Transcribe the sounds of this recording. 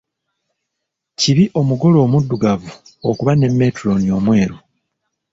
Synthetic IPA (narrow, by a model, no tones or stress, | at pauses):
ciβiʔo̞muɡo̞lo̞ːmudːuɡavuo̞kuβane̞mːe̞tɾo̞nio̞mwe̞ːɾu